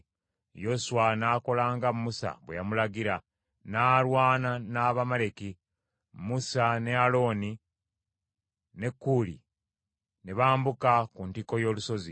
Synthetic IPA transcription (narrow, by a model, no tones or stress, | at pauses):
josuwanaːko̞laːŋɡammusa̰βwḛjamulaɡiɾa | naːlwaːnanaːβamale̞ki | musane̞alo̞ːni | ne̞kːulḭ | ne̞βaːmbukakuntiko̞jo̞ːluso̞zi